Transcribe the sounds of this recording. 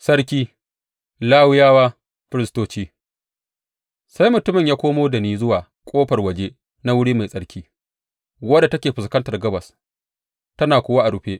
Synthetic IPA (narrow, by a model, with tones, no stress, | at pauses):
sɐ˦ɽkʲiː˦ | laː˦wʊ˦jaː˦waː˦ | ɸɪ˦ɾɪ˦stoː˦t͡ʃiː˦ | sa˦jmʊ˨tʊ˦mɪ˨ɲjaː˦kʷoː˦moː˦dɐ˨niː˦zʊ˦waː˨ | kʷʼoː˦ɸɐ˨rwɐ˨d͡ʒeː˦ | na˦wʊ˦ɽiː˦ma˨jsʼɐ˦ɽkʲʰiː˦ | wɐ˦da˨tɐ˦kʲeː˨ɸɪ˨skɐ˦ntɐ˨rɡɐ˦bɐ˨s | tɐ˦naː˨kʷoː˦wa˦ʔa˨ɽʊ˨ɸeː˦ʔ